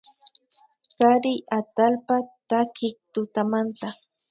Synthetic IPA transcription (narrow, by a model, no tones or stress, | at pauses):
kaɾɪʔat̪alpat̪akɪk̚t̪ʊt̪amant̪a